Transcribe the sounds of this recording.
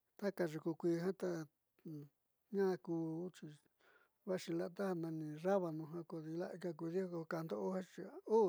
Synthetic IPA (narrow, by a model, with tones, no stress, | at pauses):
t̪a˦ka˧ʐu˧ku˧kʷi˧ɦã˦t̪a˧ | ɲã˦˧kuː˧˦t͡ʃi˧ | βa˦ʃi˧la˦t̪a˦ha˧nã˧nĩ˧ra˦βa˧nũ˧ɦã˧ko˧ði˧la˦ʔka˧k̬u˧ði˦o˦˧kka˧nd̪o˦ʔo˦hã˦t͡ʃi˧u˦